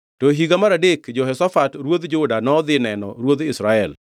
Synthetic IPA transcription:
tɔɦiɡamaɾadekd͡ʒɔɦɛsafatɾwod̪d͡ʒʊdanɔd̪ɪnɛnɔ̰ɾwod̪ɪsɾaɛl

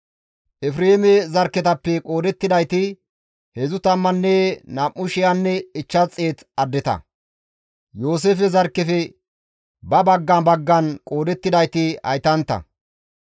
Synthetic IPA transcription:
ʔɛfɾeːmɛzɐɾkːɛt̪ɐpːɛkʼo̞ːd̪ɛt̪ːɪd̪ɐjt̪ɪ | hɛzʊt̪ɐmːɐnːɛnamːʊʃɪjanːɛɪt͡ʃːɐt͡sʼːeːt̪ɐd̪ːɪt̪ɐ̰ | jo̞ːs̬eːfɛzɐɾkːɛfɛ | bɐbɐɡːɐnbɐɡːɐnkʼo̞ːd̪ɛt̪ːɪd̪ɐjt̪ɪhɐ̰jt̪ɐnt̪ːɐ̰

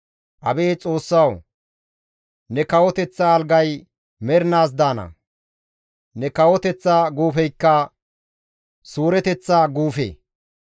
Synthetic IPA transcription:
ʔɐbeːt͡sʼo̞ːsːɐw | nɛkɐwɔt̪ɛt͡sːaɐlɡɐj | mɛɾnaːs̬d̪aːnɐ̰ | nɛkɐwɔt̪ɛt͡sːaːɡuːfɛjkːɐ | suːɾɛt̪ɛt͡sːaːɡuːfḛː

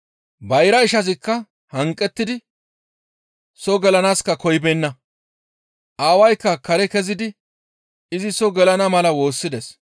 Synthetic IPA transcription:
bɐjɾɐɪʃɐs̬ɪkːɐ | hɐŋkʼːɛt̪ːɪd̪ɪ | sɔɡɛlɐnaːskɐkɔjbɛnːɐ | ʔaːwɐjkːɐkɐɾɛkɛzɪd̪ɪ | ɪzɪsɔɡɛlɐnɐmɐlɐwo̞ːsːɪd̪ɛs

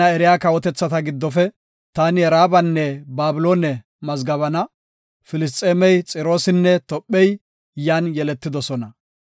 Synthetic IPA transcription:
ɐɛɾɪjaːkɐwɔt̪ɛt͡sːɐt̪ɐɡɪd̪ːɔfɛ | t̪aːnɪɛɾaːbɐnːɛbaːbɪloːnɛ | mɐzɡɐβɐnɐ | fɪlɪs̬t̪ʼːeːmɛjt͡sʼɪɾo̞ːsɪnːɛt̪ɔpʼːɛj | jaːnjɛlɛt̪ːɪd̪ɔsɔnɐ

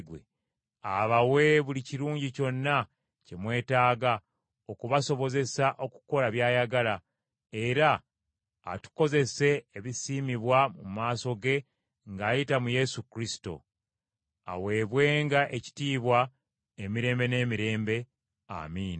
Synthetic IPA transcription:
ɡwe | aβawe̞βuliciɾuːɲɟico̞nːa | ce̞mwe̞ːtaːɡa | o̞kuβaso̞βo̞ze̞saʔo̞ku̥ko̞laβjaːjaɡala | e̞ɾa̰ː | tu̥ko̞ze̞se̞ːβisiːmiβwamumaːso̞ɡe̞ | ŋɡaːjitamuje̞sukɾisi̥to̞̰ | a̰we̞ːβwe̞ːŋɡaʔe̞ci̥tiːβwa | e̞miɾe̞ːmbe̞ne̞ːmiɾe̞ːmbe̞ | a̰miːn

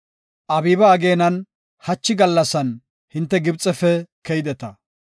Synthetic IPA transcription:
ʔɐbiːbɐːɡe̞ːnɐn | hɐt͡ʃːɪɡɐlːɐsɐn | hɪnt̪ːɛɡɪbt͡sʼɛfɛkɛjɪd̪ɛt̪ɐ

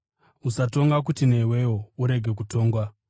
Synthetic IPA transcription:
usato̞ŋɡak̬utine̞we̞wouɾe̞ɡʱe̞k̬uto̞ːŋɡwa

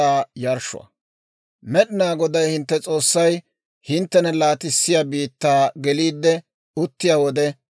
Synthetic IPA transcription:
aːjɐɾʃʊ̰ɐ̰ | mɛɗɪnaːɡɔd̪ɐjhɪnt̪ːɛt͡sʼo̞ːsːɐj | hɪnt̪ːɛnɛlaːt̪ɪsːɪjabiːt̪ːaːɡɛliːd̪ːɛ | ʊt̪ːɪjaːwɔd̪ɛ

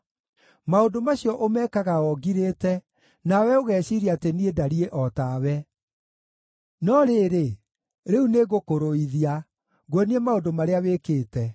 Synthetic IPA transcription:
maondomaɕjɔʔomɛkaɣaɔɡiɾeːtɛ | nawɛoɣɛːɕiɾiateniedaɾieʔɔtawɛ | nɔɾeɾe | ɾeuneɣokoɾoiðia | ɣweniemaondomaɾeawekeːtɛ

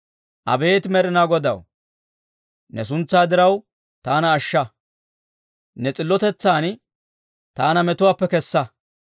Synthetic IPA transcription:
ʔɐ̰be̞ːt̪mɛɾɪnaːɡɔd̪ɐ̰w | nɛs̬ʊnt͡sːaːd̪ɪɾɐw | t̪aːnɐːʃːɐ | nɛt͡sʼɪlːɔt̪ɛt͡sːaːn | t̪aːnɐmɛt̪ʊwaːpːɛkɛsːɐ

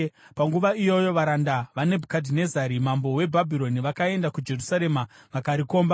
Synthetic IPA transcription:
paŋɡuʋaijo̞jo̞ʋaɾandaʋane̞bʱukadʱine̞zaɾimambo̞we̞bʱabʱiɾo̞niʋakae̞ndakud͡ʒe̞rusaɾe̞maʋakaɾiko̞ːmba

